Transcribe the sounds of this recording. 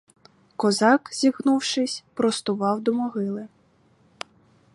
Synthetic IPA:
kɔzɑkzʲiɣnuwʃɪsʲpɾɔst̪ʊʋɑwd̪ɔmɔɦɪlˠɪ

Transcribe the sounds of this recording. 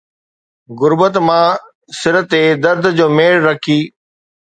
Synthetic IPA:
ɣʊɾbət̪mãː | sɪɾət̪ːed̪ɐɾd̪ʱd͡ʑoːmeːɭɾɐkʰiː

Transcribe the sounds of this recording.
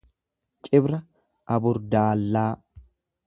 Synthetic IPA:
t͡ʃʼɪbɾɐ | ʔɐbʊɾd̪aːlːaː

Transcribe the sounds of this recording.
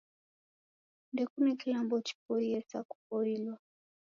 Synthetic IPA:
ndɛkunɛkilambɔt͡ʃi̥pɔɾiɛsaku̥pɔɾilwa

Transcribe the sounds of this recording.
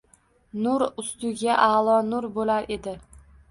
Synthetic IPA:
nʊɾʊst̪ʊɡʲaʔalˠɒnʊɾbolaɾʔe̞d̪ɪ

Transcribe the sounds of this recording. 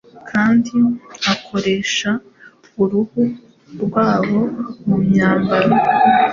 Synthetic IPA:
kʰaːndiakʰo̞ɾe̞ːʃa | βuɾuhu | ɾɡwaːβo̞mumɲaːmbaɾo

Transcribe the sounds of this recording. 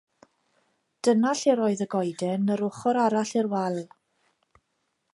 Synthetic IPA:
d̥ənaɬɪɾɔːɨðəɡɔjdɛnəɾʊχɔɾaɾaɬɪrwɛlˠ

